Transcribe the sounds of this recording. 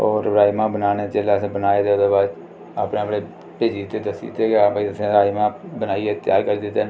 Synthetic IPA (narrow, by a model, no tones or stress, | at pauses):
oːɾɾaːimãːbənaːnet͡ʃeːlaːəsẽːbənaːeːd̪eːod̪eːbaːd̪ | a̰ːpneːəpɽeː | peːd͡ʒiːt̪eːd̪əsḭːt̪eːkabaiəsẽːɾaːimãːbənaːiet̪ɪaːkəɾiːd̪ɪt̪ːen